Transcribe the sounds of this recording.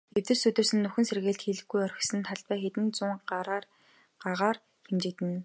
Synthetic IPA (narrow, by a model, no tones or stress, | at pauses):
ew̥t̪ɘ̆sut̪ɵ̆sɘ̆nːɵxɘ̆nserɣeːɬt̪xeɮɘ̆xɡujœr̆ʲxsɘ̆nt̪ʰaɮt̪pæːxet̪ɘ̆nt͡sʊːɴː | ɢ̥aʁaːr | xemt͡ɕɪ̆kt̪ɘ̆n